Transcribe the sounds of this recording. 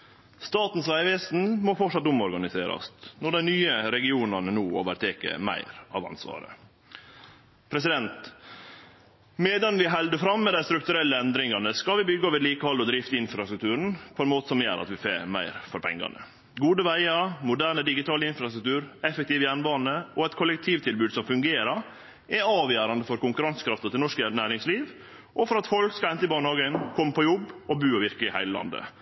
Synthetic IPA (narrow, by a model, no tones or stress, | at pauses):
st̪ɑːt̪n̩sʋæɪʋɛːsn̩mɔfɔʈʂɑt̪ːʊmɔɾɡɑnɪseːɾɑ̰st̪nɔɖæɪnyːəɾɛɡɪuːnɑnənuːo̰ːʋəɾt̪ʰeːkə̰mæ̰ɪɾɑ̰ːʋɑ̰nsʋɑ̰ːɾə̰ | pʰɾɛsɪd̪ɛnt̪ | mɛd̪ɑnʋɪɦɛld̪əfɾɑmːɛd̪æɪst̪ɾʉkt̪ʉɾɛlːəɛnd̪ɾɪŋɑnəskɑlʋɪbʏɡːəɔʋɪd̪liːkəhɔlɔd̪ɾɪft̪ɪnfɾɑst̪ɾʉk̚t̪ʰʉːɾən̩pʰɔɛnmoːt̪əsɔmjæ̰ːɾɑ̰t̪ʋɪsḛːɾmæ̰ɪɾfɔɾpʰɛ̰ŋɡɑ̰nə̰ | ɡuːd̪əʋæɪɑmʊd̪æːɾɳəd̪ɪɡɪt̪ʰɑːləɪnfɾɑst̪ɾʉk̚t̪ʰʉːɾɛfɛk̚t̪iːʋəjæːɳbɑːnəʔɔɛɪt̪̚kʰɔlɛkt̪ʰiːʋt̪ʰɪlbʉːd̪sɔmfʉŋɡeːɾɑɾ | ʔɛɑːʋjøːɾɑnd̪əfɔɾkʊŋkʉɾɑnskʰɾɑft̪ɑt̪ʰɪlnɔʂkənæːɾɪŋsliːʋ | ʔɔfɔɾɑt̪fɔlkskɑɛnt̪əɪbɑːnhɑːɡənkʰɔmːəpʰɔjɔbːɔbʉːɔʋɪɾkɪhæɪləlɑ̰nd̪ə̰